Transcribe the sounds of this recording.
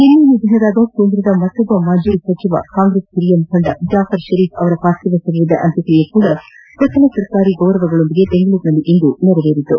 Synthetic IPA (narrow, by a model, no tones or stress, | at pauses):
inːinud̪ʱɐɦɐd̪aːɡɐkeːnd̪ɾɐd̪ɐmɐt̪ːɐbɐmaːd͡ʒɐɾisɐt͡ʃiʋɐ̰kaːŋɡɾeːskɾijɐmkʰoɳɖɐd͡ʒaːfɐɾʃɐɾiːfɐʋɐɾɐpaːst̪iʋɐsɐɾiʋid̪ɐʔɐnt̪ikɾijɐkuːɽɐ | pɾɐt͡ʃɐlɐsɐɾkaːɾiɡɐʋɾɐʋɐɡɐɭond̪iɡe̞beŋɡɐɭuːɾnɐlːiʔind̪unɛɾɐʋeːɾit̪ːṵ